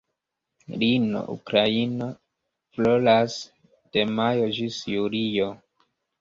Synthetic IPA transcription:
ɾino̰ʔṵkɾaina | flolas | d̥emajod͡ʒisjuɾijo

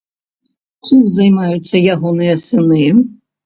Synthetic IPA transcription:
k̪ʲuzajmajut̪sːɐjaɣɔnɨjɐsɨnɨ

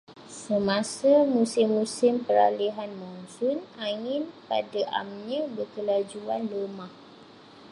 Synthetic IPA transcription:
səmãsamũsɪmːũsɪmpəɾa̰liɦanmɔnsʊnaŋɪ̃npa̰daʔa̰mɲãbərkəlad͡ʒuanləmãh

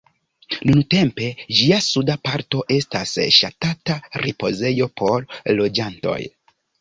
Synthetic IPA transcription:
nunte̞mpe̞d͡ʒiasudapaɾto̞ʔe̞stasʃatataɾipo̞̰ze̞jo̞pʰo̞ɾlo̞d͡ʒanto̞̰j

